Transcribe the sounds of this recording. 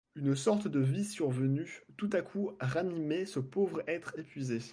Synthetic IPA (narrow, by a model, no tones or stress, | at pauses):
ynsɔʁt̪d̪əvisyʁvənyt̪ut̪akʰuʁanimesəpovʁɛt̪χepɥize